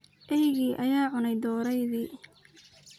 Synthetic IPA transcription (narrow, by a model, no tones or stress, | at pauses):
ʔɛjɣiːʔɐjaːʕʊnɛjd̪ɔːɾɛjðiː